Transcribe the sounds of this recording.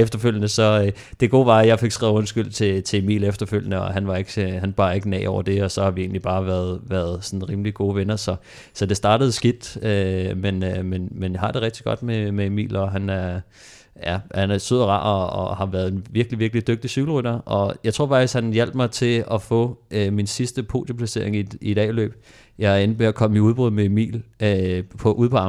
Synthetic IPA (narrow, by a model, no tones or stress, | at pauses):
efd̥ɐføl̰jənəsɒ̽ | d̥e̝ɡ̥o̝̰ːʋɑ̈æjɑ̈ɪfe̝ɡ̥sɡ̥ʁɛːʊɔ̽nsɡ̥yl̰t͡sʰe̝t͡sʰe̝e̝mḭːlefd̥ɐføl̰jənəɒɦænʋɑ̈e̝ɡ̥hænb̥ɑ̰̈ːe̝ɡ̥ənɛ̰ːɒʊɐd̥e̝ɒ̽sɒ̽hɑ̈ʋie̝̰ːn̩lib̥ɑ̈ːʋæːɐðˠʋæːɐðˠsɒ̽nn̩ʁiːmliɡ̥o̝ːʋenɐsɒ̽ | sɒ̽d̥e̝sd̥ɑ̈ːɾəð̩ˠsɡ̥id̥ømenømenmenjɑ̈hɑ̈d̥e̝ʁɛɡ̥d̥iɡ̥ɒ̽d̥memeemḭːlɒ̽ɦænæɐ | jæhænæɐsøð̰ˠɐʁɑ̰̈ːɒɒhɑ̈ʋæɐð̞̩ˠenʋiɐɡ̥liʋiɐɡ̥lid̥øɡ̥̚d̥isy̥l̩ʁyd̥ɐʔɒ̽jɑɪt͡sʰʁo̝̰fɑ̈ɡ̥isɡhænjel̰b̥mɑ̈ɪt͡sʰe̝lɒ̽fɔ̰øminsisd̥əpʰo̝̰ːd̥opʰlæse̝ɐeŋiiɾ̥ɛ̰ːlø̰ːb̥ | jɑ̈ɪæɐenb̥eɒkʰɒ̽məmiuðˠb̥ʁyð̰ˠmeemḭːløpʰɒ̽ʔuðˠpʰɒɑ̈m